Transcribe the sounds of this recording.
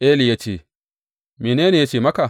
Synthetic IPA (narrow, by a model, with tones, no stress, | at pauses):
ʔe˦li˨ja˦t͡ʃḛ˨ | mi˨neː˦ni˨ja˦t͡ʃeː˨mɐ˦ka˨